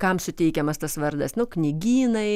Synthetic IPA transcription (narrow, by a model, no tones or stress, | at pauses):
kɐmsʊt̪ʲɛɪkʲɛmɐst̪ɐsʋɐɾd̪ɐsnʊknʲɪɡʲiːnɐɪ